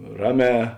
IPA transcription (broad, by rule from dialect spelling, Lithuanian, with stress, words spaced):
ˈrɑːˌmʲɛː